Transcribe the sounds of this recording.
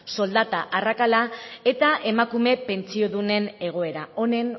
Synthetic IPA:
so̞ld̪at̪aʔarakalae̞t̪aʔe̞makume̞pe̞nt͡sio̞ðune̞ne̞ɣ̞o̞e̞ɾao̞ne̞n

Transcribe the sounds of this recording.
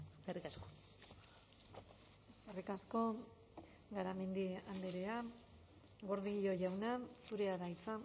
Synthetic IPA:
karikasko | eskarikasko̞ | ɡaɾame̞nd̪iand̪eɾea | ɡo̞ɾðiɣiʎo̞ʝawnasuɾe̞aðajt͡sa

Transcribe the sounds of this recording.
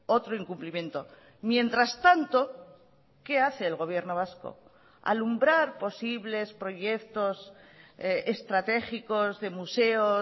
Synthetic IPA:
o̞t̪ɾoiŋkumplimje̞nt̪o̞ | mje̞nt̪ɾast̪ant̪o̞ | ke̞aθe̞ːlɣo̞β̞je̞ɾno̞β̞asko̰ | a̰lumbɾaɾpo̞siβle̞spɾo̞ʝje̞kt̪o̞s | est̪ɾat̪e̞xiko̞zðe̞muse̞o

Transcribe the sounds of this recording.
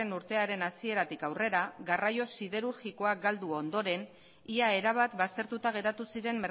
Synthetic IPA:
enuɾt̪e̞aɾe̞nasie̞ɾat̪ikawre̞ɾaɣarajo̞siðe̞ɾuɾɣiko̞ak̚ɡald̪uond̪o̞ɾe̞n | iae̞ɾaβ̞at̪bast̪e̞ɾt̪ut̪aɣ̞e̞ɾat̪usiɾe̞mːeɾ

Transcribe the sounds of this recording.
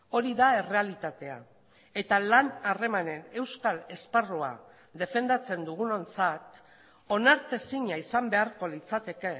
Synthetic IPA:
o̞ɾiðae̞re̞alit̪at̪e̞a̰ | e̞t̪alanare̞mane̞ne̞wskale̞sparoa̰ | ðe̞fe̞nd̪at͡se̞nd̪uɣ̞uno̞nt͡sat̪ | o̞naɾt̪e̞siɲaisambe̞aɾko̞lit͡sat̪e̞ke̞

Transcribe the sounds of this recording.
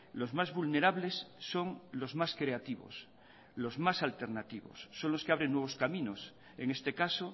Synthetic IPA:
lo̞zmazβulne̞ɾaβle̞sːo̞ŋlo̞zmaskɾe̞at̪iβo̰s | lo̞zmasalt̪e̞ɾnat̪iβo̞̰sːo̞nlo̞skeaβɾenːwe̞β̞o̞skamĩno̞s | e̞ŋe̞st̪e̞kaso

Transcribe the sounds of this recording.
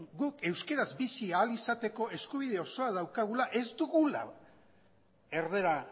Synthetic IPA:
ɡuke̞wske̞ɾazbisiaːlisat̪e̞ko̞ʔe̞skuβ̞ið̞e̞o̞so̞að̞awkaɣulaʔe̞zd̪uɣula̰ | e̞ɾðe̞ɾa

